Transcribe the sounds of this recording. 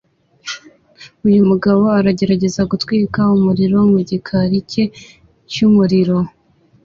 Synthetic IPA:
ujumuɡaβo̞aɾaɟe̞ɾaɟe̞zaɡutwiːkaumuɾiɾo̞muɟikʰaɾicʰe̞ | cumuɾiɾo̞

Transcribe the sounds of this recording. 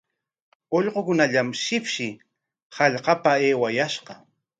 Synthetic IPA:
oʎɢokʊnaʎamʃɪpʃɪ | hɑʎqɑpaeːwajaʃɢɑ

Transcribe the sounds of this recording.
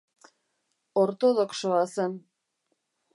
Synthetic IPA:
oɾt̪oðokʃoɑsɤn

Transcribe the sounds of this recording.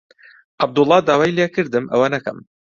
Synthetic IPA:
ʔab̚d̪ʊlˠːɑːd̪aːwajljekɨɾd̪ɨmʔɐ̰wɐnɐkɐ̰m

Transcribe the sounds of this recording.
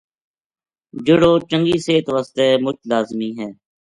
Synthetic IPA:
d͡ʒʊɽoːt͡ʃə̃ŋɡiːseːt̪ʋaːst̪eːmʊt͡ʃʰlaːzmiːɦɛː

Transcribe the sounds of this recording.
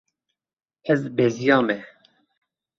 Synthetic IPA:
ɛzbɛzijɑːmɛ

